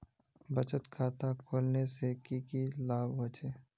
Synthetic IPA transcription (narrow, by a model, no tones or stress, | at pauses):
bət͡ʃət̪kʰaːt̪akʰoːlnesekikilaːbʋət͡ʃeː